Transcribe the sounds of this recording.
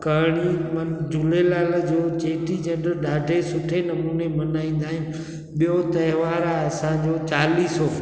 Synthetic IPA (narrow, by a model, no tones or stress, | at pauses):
kɐːɽ̃imɐnd͡ʑʊlelaːld͡ʑoːt͡ɕeːʈid͡ʑɐ̃ɳɖəɾɗaːɖʱesʊʈʰenɐmuːnemɐnaːĩːn̆d̪aːɦɪ̃nɪ̆ | ɓijot̪ɐɪʋaːɾaɐsãd͡ʑoːt͡ɕaːliːsoː